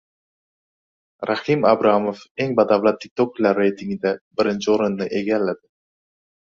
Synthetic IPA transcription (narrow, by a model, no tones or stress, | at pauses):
ɾahɪmabɾamofeŋbad̪avlˠat̪ʰːɪk̚t̪ʰoklːaɾːe̞jt̪ʰiŋɡɪd̪abɪɾɪnt͡ʃʰɪoɾʊnːɪʔe̞ɡʲalːad̪ɪ